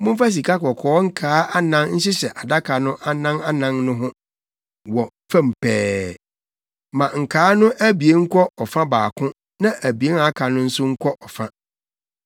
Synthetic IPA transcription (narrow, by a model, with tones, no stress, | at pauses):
mʊ̃˦m̩˦fa˦s̬i˨kʰa˦kɔ˨kʰɔː˨˦ŋ̩˦kʰaː˨˦a˦nã˦nn̩˦ɕɪ˦ɕɛ˨ʔa˨da˦kʰa˨nʊ̃˦ʔa˦nã˦na˦nã˦nnʊ̃˦ɦʊ̃˦ | wɔ˨ | fã˦m̩˨pʰɛː˦ | mã˨ŋ̩˨kʰaː˨˦nʊ̃˦ʔæ˦bi˨e˦ŋ̩˦kʰɔ˦ʔɔ˨fã˦baː˨kʰʊ̃˦ | nã˦ʔæ˨bi˨e˦na˦kʰa˨nʊ̃˦n̩˦sʊ˦ŋ̩˦kʷʰɔ˦ʔɔ˨fã˦